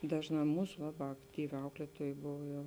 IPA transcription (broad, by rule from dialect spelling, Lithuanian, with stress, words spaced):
ˈdɑːʒˌnɑː ˈmuːs ʋɐ ʋɐ ˈɑːktʲiːˌʋʲɪ ˈɐʊklʲiɛtuɔj ˈboːʋoː jɛʊ